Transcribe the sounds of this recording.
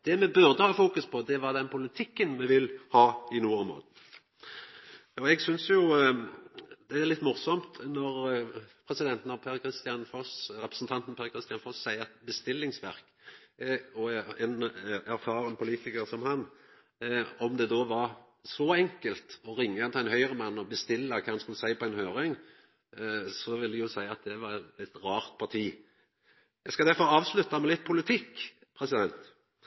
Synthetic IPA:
d̪̥ɛmɛbʉʁd̪əhɑːfuːkʉspʰɔd̪ɛʋɑʁd̪ɛnpʰʊlɪt̪ʰɪkːənmɛʋɪlhɑːɪnuːɑmo̰ːd̪̩ | ɔɛɡsʏnsjʊ | d̪̥ɛæʁlɪt̪ːmʊʁsɔmt̪nɔʁpʰɾɛsɪd̪ɛnt̪nɔpʰæɾkʰɾɪst̪ɪɑnfɔsɾɛpʁəsn̩t̪ʰɑnt̪n̩pʰæɾkʰʁɪst̪ɪɑnfɔssæɪəɛt̪bəst̪ɪlːɪŋsʋæʁk | ɔɛnæɾfɑːɾənpʰʊliːt̪ɪkəɾsɔmhɑn | ɔmd̪ɛd̪oːʋɑɾ | sɔɛŋkəlt̪ɔɾɪŋːəɛnt̪æɪnɦœʏʁəmɑnːɔbəst̪ɪlːəkʰɑːhɑnskʉlːəsæɪpɔæɛnhøːɾɪŋ | sɔʋɪld̪ɛjʊsæɪɑt̪̚d̪ɛʋɑɾɛt̪ɾɑːʁt̪̚pʰɑʁt̪ʰiː | jɛskɑd̪æɾfɔɾɑːʋslʉt̪ːɑmɛlɪt̪̚ːpʰʊlɪt̪ʰɪkː | pʰɾɛsɪd̪ɛnt̪

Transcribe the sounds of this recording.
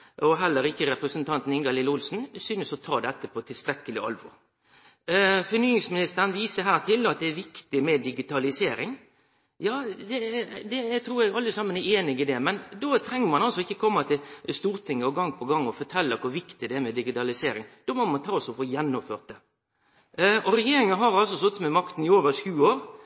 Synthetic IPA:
ʔɔɦɛlːəɾɪçːəɾɛpɾəsənt̪ʰɑnt̪n̩ɪŋɡɑlɪləʊlsn̩syːnəsɔt̪ʰɑːd̪ɛt̪ːəpʰɔt̪ʰɪlst̪ɾɛkːəlɪɑ̰lʋɔ̰ɾ | fɔɾnyːɪŋsmɪnɪst̪əɾənʋiːsəɦæːʁt̪ʰɪlːɑt̪̚d̪ɛːɾʋɪkt̪ɪmɛd̪ɪɡɪt̪ʰɑlɪseːɾɪŋ | jɑːd̪ɛd̪ɛæt̪ʰɾuːɾɛɡɑləsɑmːəneːnɪɡɪd̪ɛmɛnd̪oːt̪ʰɾɛŋːəmɑnɑlsɔɪçːəkʰɔmːɑt̪ʰɪlst̪uːɾt̪ʰɪŋːəɔɡɑŋːpʰɔɡɑŋːɔfɔʈ̪ʰɛlːəkʰʊɾʋɪkt̪ɪd̪ɛæmɛd̪ɪɡɪt̪ɑlɪseːɾɪŋd̪̥ɔmɔmɑnt̪ʰɑːsɔfoːjɛnːɔmføːʁt̪̚d̪ɛ | ɔɾɛjeːɾɪŋənɦɑɾɑlsɔsɔt̪ːəmɛmɑkt̪n̩ɪoːʋəɾʂʉːoːɾ

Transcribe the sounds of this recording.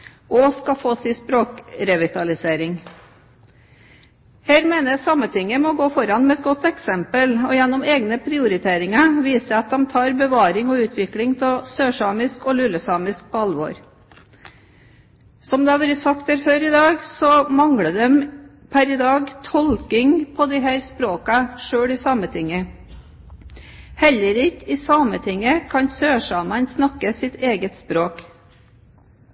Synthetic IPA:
ʔɔskɑfoːsɪspɾoːkɾɛʋɪt̪ʰɑlɪseːɾɪŋ | heːɾmeːnəsɑmːət̪ʰɪŋːəmɔɡoːfɔɾɑnmɛɛt̪̚ɡɔt̪ːɛksɛmpəlɔjɛnːɔmeːɡnəpʰɾɪʊɾɪt̪ʰeːɾɪŋɑʋiːsəɑt̪̚d̪ɛmt̪ʰɑːɾbəʋɑːɾɪŋɔʉːt̪ʰʋɪklɪŋt̪ʰɛsøːʂɑːmɪskɔlʉlːəsɑːmɪsk̚pʰɔɑlʋɔ̰ɾ | sɔmd̪ɛɑʋʉːɾəsɑk̚t̪æːɾføːɾɪd̪ɑːɡsɔmɑŋɽəd̪ɛm | pʰæɾɪd̪ɑːɡt̪ʰɔlkɪŋpʰɔd̪ɪɦæːɾspɾoːkɑʂøːɽɪːsɑːmət̪ʰɪŋːə | hɛlːəɾɪkɪːsɑːmət̪ʰɪŋːəkʰɑnsøːʂɑːmɑnsnɑkːəsɪt̪ʰeːɡət̪spɾoːk

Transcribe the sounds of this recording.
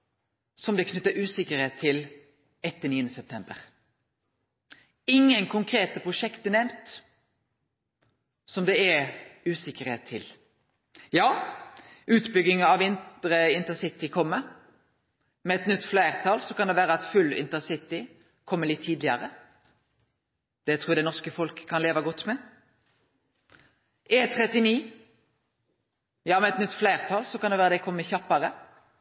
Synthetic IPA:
sɔmd̪ɛkʰnʏt̪ːəɾʉːsɪkəɾheːt̪ʰːɪl | ɛt̪ːd̪əniːənəsɛp̚t̪ʰɛmbə̰ɾ | ɪŋːənkʰʊŋkʰɾeːt̪əpʰʁʊʃɛkt̪ənɛmt̪ | sɔmd̪ɛɛʉːsɪkəɾheːt̪ʰːɪl | jɑː | ʔʉːt̪bʏɡɪŋɑʋɪnt̪ɾəɪnt̪əsɪt̪ɪkʰɔmːə | mɛɛt̪nʏt̪ːflæɪʁt̪ʰɑlsɔkʰɑnd̪ɛʋæːɾəɑt̪fʉlːɪ̰nt̪əʁsɪt̪ɪ | kʰɔmːəlɪt̪ʰːiːd̪lɪəʁə | d̪̥ɛt̪ʰʁuːʁd̪ɛnɔʁskəfɔlkʰːɑnleːʋɑɡɔt̪ːmɛ | ʔeːt̪ʰɾɛt̪ɪniː | jɑːmɛɛt̪nʏt̪ːflæɪʁt̪ʰɑlsɔkʰɑnɛʋæːʁɾəd̪ɛkʰɔmːəçɑpːəʁə

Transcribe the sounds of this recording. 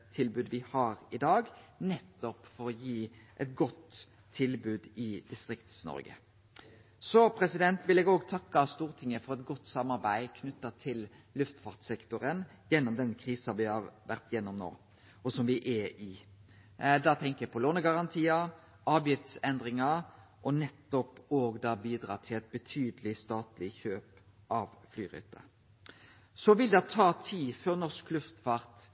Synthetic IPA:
t̪ʰɪlbʉːd̪ʋɪhɑɾɪd̪ɑːɡnɛt̪ːɔpfɔɾɔjiːʔɛt̪ɡɔt̪ʰː | ɪlbʉːd̪ɪd̪̥ɪst̪ʁɪkt̪snɔ̰ɾɡə̰ | sɔpʰɾɛsɪd̪ɛnt̪ʋɪlɛːɡoːɡt̪ʰɑkːɑst̪uːʁt̪ʰɪŋːəfɔʁɛt̪̚ɡɔt̪ːsɑmːɑɾbæɪkʰnʉt̪ːɑt̪ʰɪl | lʉft̪fɑʁt̪sɛkt̪ʊɾən | jɛnːɔmd̪ɛnkʰʁiːsɑʋɪhɑʁʋæʁt̪jɛnːɔmno̰ː | ʔɔsɔmʋɪʔɛɪ | d̪ɑt̪ʰɛŋkəæpʰɔloːnəɡɑʁɑnt̪ʰiːə | ʔɑːʋjɪft̪sɛnd̪ʁɪŋɑ | ʔɔnɛt̪ːɔpoːɡd̪ɑːbiːd̪ɾɑ̰ːt̪ʰɪlɛt̪̚bət̪ʰyːd̪əlɪst̪ɑːt̪lɪçøːp | ʔɑʋflyːʁʉ̰ːt̪ə̰ | sɔʋɪld̪ɑt̪ʰɑːt̪ʰiːføːʁnɔsklʉft̪fɑʁt̪

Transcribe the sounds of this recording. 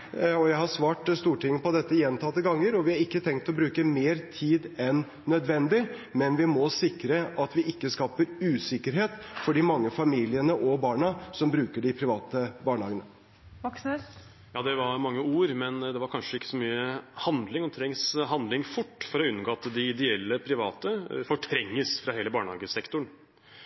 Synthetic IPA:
ɔjæɪhɑsʋɑːʈst̪uːʈɪŋːəpɔd̪ɛt̪ːəjɛnt̪ʰɑt̪ːəɡɑŋːəɾɔʋɪhɑɾɪkːət̪ʰɛŋkt̪ɔbɾʉːkəmeːɾt̪ʰiːd̪ɛnːœd̪ʋɛnd̪ɪ | mɛnʋɪmɔsɪkɾəʔɑt̪ʋɪʔɪkːəskɑːpəɾʉːsɪkːəɾɦeːt̪fɔɖɪmɑŋːəfɑmiːlɪənəʔɔbɑːɳɑsɔmbɾʉːkəɖɪpʰɾɪʋɑːt̪əbɑːɳəhɑːɡənə | ʋɔksə | jɑːd̪ɛʋɑɾmɑŋːəuːɾmɛnd̪ɛʋɑɾkʰɑnʂəɪkːə̥sɔmyːəhɑnd̪lɪŋɔt̪ʰɾɛŋsɦɑnd̪lɪŋfʊʈːfɔɾɔʉnːɡoːɑt̪d̪ɪɪd̪ɛɛlːəpʰɾɪʋɑːt̪əfɔʈʰɾɛŋːəsfɾɑheːləbɑːɳhɑ̰ːɡəsɛkt̪ʊɳ

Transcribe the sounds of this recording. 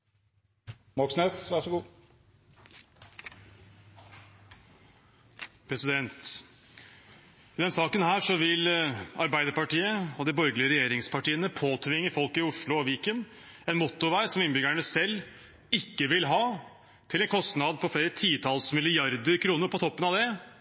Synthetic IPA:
mɔksneːsʋæʂɔɡuː | pʰɾɛsɪd̪ɛnt̪ | ɪd̪ɛnsɑːkənhæːʂɔʋɪlɑɾbæɪd̪əɾpɑʈiːəɔd̪ɪbɔɾɡlɪəɾɛjeːɾɪŋspʰɑʈiːənəpʰoːt̪ʰʋɪŋːəfɔlkɪʊʂɭʊɔʋiːkən | ɛnmʊt̪ːʊʋæɪsɔmɪnbʏɡæɳəsɛlː | ɪkːəʋɪlɦɑː | t̪ʰɪlɛnkʰɔst̪nɑd̪pʰɔfleːɾət̪ʰiːt̪ʰɑlsmɪlɪjɑɾd̪əɾkʰɾuːnəɾpʰɔt̪ʰɔpːənɑʋd̪ɛ

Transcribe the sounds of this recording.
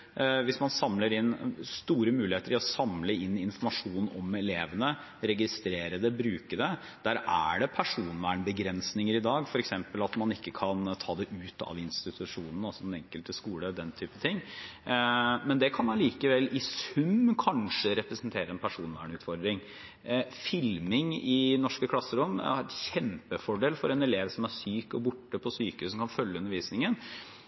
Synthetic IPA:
ʋɪsmɑnsɑmləɾɪnst̪uːɾəmʉːlɪheːt̪əɾɪɔsɑmləɪnːɪnfɔɾmɑʂuːnɔmɛleːʋənə | ɾɛɡɪst̪ɾeːɾəd̪ɛbɾʉːkəd̪ə | d̪̥æɾʔæ̰ɖɛpʰæʂuːnʋæːɳbəɡɾɛnsnɪŋəɾɪd̪ɑːɡfɔɾɛksɛmpəlɑt̪mɑnɪkːəkʰɑnt̪ʰɑːd̪ɛʔʉːt̪ɑ̰ʋɪnst̪ɪt̪ʰʉʂuːnən̩ɑsɔɛnɛŋkəlt̪əskuːləd̪ɛnt̪ʰyːpət̪ʰɪŋː | mɛnd̪ɛkʰɑnmɑnliːkəʋɛlːɪsʉmkʰɑnʂəɾɛpɾəsənt̪ʰeːɾəɛnpʰæʂuːnʋæ̰ːɳʉːt̪fɔɾd̪ɾɪŋ | fɪlmɪŋɪnɔʂkəkʰlɑsːəɾʊmɑɾɛt̪çɛmpəfɔɖeːlfɔɾɛnɛleːʋsɔmæɾsyːkɔbʊʈːəpʰɔsyːkəhʉːsmkʰɑnfœljəʉnːəɾʋiːsnɪŋən

